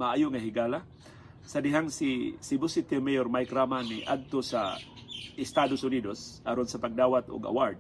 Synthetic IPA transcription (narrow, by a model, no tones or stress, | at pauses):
maʔaːjoŋaɦɪɡaːla | sad̪ɪɦaŋsisɪbʊsɪt̪ɛmɛjoɾmajkɾamaniʔa̰d̪̚t̪osa | ʔɪst̪ad̪osʊnid̪osʔɐɾonsapaɡ̚d̪aːwat̪o̰ɡa̰waɹd̪̚